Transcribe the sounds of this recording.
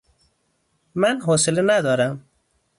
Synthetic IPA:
manɦɔsɪlenad̪ɔːɾam

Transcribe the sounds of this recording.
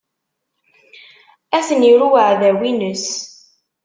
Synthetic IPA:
æsəniɾuwəʕðæwinəs

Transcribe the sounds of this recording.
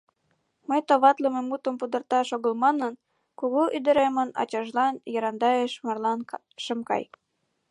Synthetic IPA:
məjt̪oβɑt̪ləmemut̪ə̆mpud̪ərt̪ɑʃoɣəlmɑnən | kuɣoʔyd̪ə̆ɾemənɑ̰t͡ɕɑʒlɑnjɑɾɑnd̪ɑjeʃmɑrlɑn | ʃəmkɑ̰j

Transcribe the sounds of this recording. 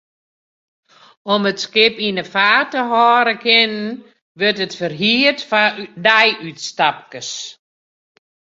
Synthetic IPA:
ɔmətskɪpinəfaːtəɦɔːɾəkʰɪnən | ʋøtətfərɦiətfadɛjytstap̚kəs

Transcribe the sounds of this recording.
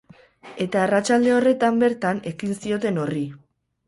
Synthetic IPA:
e̞t̪aːrat͡ʃald̪e̞o̞re̞t̪ambe̞ɾt̪ane̞kinsio̞t̪e̞no̞ri

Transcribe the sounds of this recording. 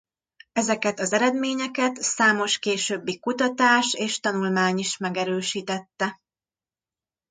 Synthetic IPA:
ɛzɛkɛt̪ɒzɛɾɛd̪meːɲɛkɛt̪saːmo̞ʃkeːʃøːbːikut̪ɒt̪aːʃeːʃt̪ɒnulmaːɲiʃmɛɡɛɾøːʃiːt̪ɛt̪ːɛ

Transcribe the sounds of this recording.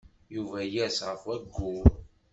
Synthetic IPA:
juvæjæsʁəfwæɡːuv

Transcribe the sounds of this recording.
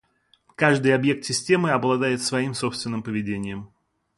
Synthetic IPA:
kaʐd̪ɨjɐbje̞k̚t̪sʲɪsʲtʲe̞mɨɐblˠɐd̪ajɪt̪svɐimso̞pst̪vʲɪnːɨmpəvʲɪdʲenʲɪjəm

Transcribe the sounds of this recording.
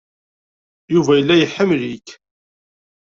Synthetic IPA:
juvæjəlːæjəħːəmlik

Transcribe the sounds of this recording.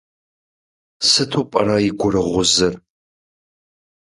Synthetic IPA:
sɨtʰuːpʼɐɾaiɡʷʊrɨʁʷʊzɨr

